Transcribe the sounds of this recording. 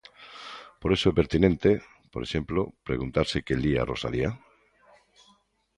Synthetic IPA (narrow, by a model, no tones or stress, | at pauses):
poɾesoɛpeɾt̪inẽnt̪e | poɾeʃemplopɾeɣunt̪aɾsekelia̰rosa̰lia